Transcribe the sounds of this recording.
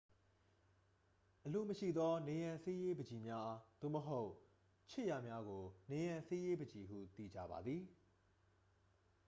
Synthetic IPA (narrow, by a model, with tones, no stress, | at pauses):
ʔəlo˦˨məʃḭ˦˨d̪ɔ˦ne˨jã˨se˦je˦bəd͡ʑi˨mja˦ʔa˦d̪̥o̰˦˨məɦo˦ʊʔ | t͡ɕʰɪ˦ʔja˨mja˦ɡo˨ne˨jã˨se˦je˦bə˨d͡ʑi˨ɦṵ˦˨t̪ḭ˦˨d͡ʑa̰˦˨ba̰˨d̪ði˨